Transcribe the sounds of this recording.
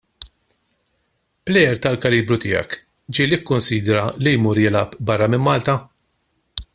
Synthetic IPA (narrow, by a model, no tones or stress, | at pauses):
plɛjɛɾt̪ɐlkɐliːbɾʊt̪ɪːjɐ̰k | d͡ʒiːlikːʊnsiːd̪ɾɐlijmuːɾjɪlɐpbɐrːɐmɪmːɐːlt̪ɐ